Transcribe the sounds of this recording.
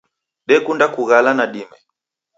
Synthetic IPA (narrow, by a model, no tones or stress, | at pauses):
ɗɛkundakuɣalanaɗimɛ